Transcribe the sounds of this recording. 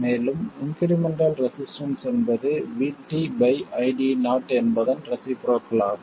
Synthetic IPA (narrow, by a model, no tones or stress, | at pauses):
meːlɯmɪŋkɪɾɪmɛɳɖɐlɾɛsɪsʈɐnsɛnbɐðɯʋiːʈːibɐɪɐɪɖinaːʈːɛnbɐðɐnɾɛsipɾoːkːlaːɾ